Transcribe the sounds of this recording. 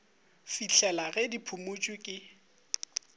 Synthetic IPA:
fit͡ɬʰɛlaɣɛdipʰʊmʊt͡ʃʼwikʼɪ

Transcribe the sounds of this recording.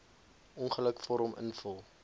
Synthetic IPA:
ɔnχələkfɔɾɔmʔə̰nfəlˠ

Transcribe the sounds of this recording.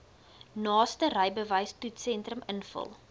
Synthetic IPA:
nɑːstərəjbəvəjstutsɛntrəmənfə̰lˠ

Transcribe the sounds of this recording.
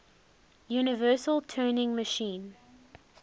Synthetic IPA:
juːnɪvɜːˑsəlˠtʰɜːnɪ̃ŋməʃĩːn

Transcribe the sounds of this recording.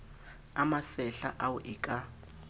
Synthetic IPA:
amasɛɬa̰ʔawuʔikʼa

